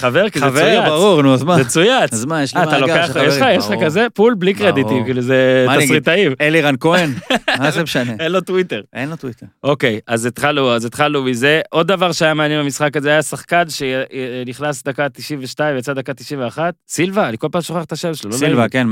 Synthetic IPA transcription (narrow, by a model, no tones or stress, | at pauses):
χaveʁkizevujaaʁuʁnuazmazet͡sujat͡szmajeʃliːtalokeajeʃajeʃχakaze̞pulblikʁed̪itivkiluzeasʁit̪aiveliʁankoenazemʃaneenlot̪wit̪e̞ʁenlot̪witeo̞ke̞jazet̪χaluazet̪χalumize̞ʔo̞d̪dːavaʁʃeajameanjenbamisχakazeajasaχkanʃeniχlasd̪akat̪iʃimveʃtaĩvejat͡sad̪akat̪iʃimveaχat̪̚silvanikolpaːmʃoχeaχt̪aʃeveʃlololailvaken